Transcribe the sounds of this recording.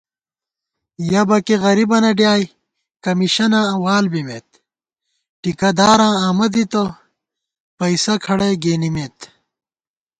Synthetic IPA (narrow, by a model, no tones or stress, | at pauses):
jɐbɐkeɣɐɾibɐnɐɖjaːj | kɐmiɕɐnãːɐwaːlbimet̪̚ | ʈikɐd̪aːɾãːaːmɐd̪it̪o | pɐisɐkʰɐɽeɡeːnimeːt̪